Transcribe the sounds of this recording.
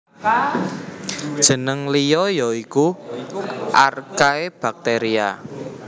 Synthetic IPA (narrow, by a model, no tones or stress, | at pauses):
d̥ʒ̥ə̤nəŋlijɔjɔiku | ʔarkaeb̥a̤k̚t̪eɾia